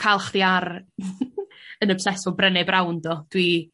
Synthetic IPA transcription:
kʰalˠχdiar | ənəb̥sɛsɔbrɛnɛbrawndɔd̥wi

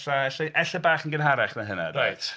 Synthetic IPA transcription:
ɬaɛɬaʔɛɬabaːχənɡənɦaɾɛχmaɦəna̰drajtʰ

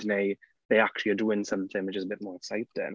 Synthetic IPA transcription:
neɪ | ðeɪak̚t͡ʃul̩ˠiəduːɪ̃nsʌ̃mθɪ̃ŋwɪt͡ʃɪzəbɪʔ̚mɔːɹɛksaɪtɪ̰̃n

